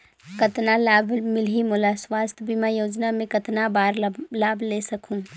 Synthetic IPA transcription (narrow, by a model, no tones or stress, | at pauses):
kət̪nalaːbʱmɪlɦimʊlaswaːst̪ʰbʱimajoːd͡ʒnamẽkɐt̪nabaːɾlaːbʱlesɐkʰũ